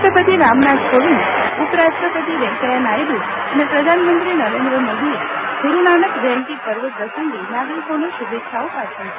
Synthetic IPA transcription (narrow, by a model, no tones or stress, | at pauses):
ʈɾəpət̪iɾamnat̪koʋiɳupəɾasʈɾəpət̪iʋɛ̃ŋkəjanajd̪u | ənepɾəd̪ʱanmənt̪ɾinəɾẽnd̪ɾəmod̪ieɡʱuɾunanəkʋɛlʈipəɾʋəɾəsəŋɡinaɡɾikonoʃubetːʃʰaopat͡ʃʰə